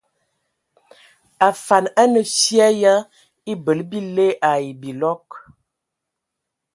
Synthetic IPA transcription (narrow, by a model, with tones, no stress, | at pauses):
a˨fa˨na˦nə˨sja˦ja˦ | i˦bə˨lbi˦le˦ʔa˨i˨bi˨lɔ˦k